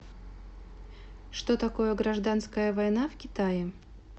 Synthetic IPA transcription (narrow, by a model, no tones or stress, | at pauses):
ʂt̪ot̪ɐkojəɡɾɐʐd̪anskəjəvɐjn̪afkʲɪt̪ajɪ